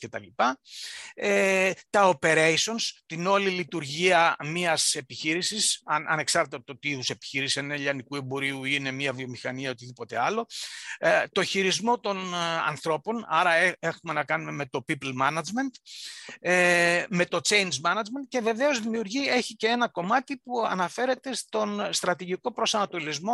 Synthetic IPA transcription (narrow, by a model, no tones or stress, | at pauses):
ce̞t̪ɐ̰lipɐ | et̪ɐo̞pe̞ɾe̞iso̞nst̪ino̞lilit̪uɾʝiɐmiɐse̞piçiɾisisɐnʔɐ̰ne̞ksɐɾt̪et̪t̪ot̪iiðuse̞pi̥çiɾiseneʎɐnikue̞bo̞ɾiuine̞miɐvio̞mixɐniɐo̞t̪iðipo̞t̪e̞̰ɐlo̞ | t̪o̞çiɾizmo̞t̪o̞nɐ̰nθɾo̞po̞nɐɾɐee̞xume̞nɐkɐnume̞me̞t̪o̞piplmɐnɐd͡ʒme̞nt̪ | eme̞t̪o̞t͡ʃe̞jnd͡zmɐnɐd͡ʒme̞nt̪̚ce̞ve̞ve̞o̞zðimiuɾʝie̞çice̞e̞nɐko̞mɐt̪ipuɐ̰nɐfe̞ɾe̞t̪e̞st̪o̞nst̪ɾɐt̪iʝiko̞pɾo̞sɐnɐt̪o̞lizmo̞